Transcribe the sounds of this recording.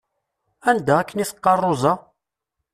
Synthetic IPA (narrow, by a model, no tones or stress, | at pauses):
ænd̪æækːəniθə̥qːɑrˤːʊzɑ